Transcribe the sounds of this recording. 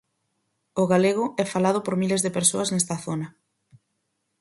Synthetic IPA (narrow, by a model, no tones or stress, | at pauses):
ʊɣaleɣ̞ʊɛfalað̞ʊpoɾmilezðepeɾsoaznɛst̪ɐθonɐ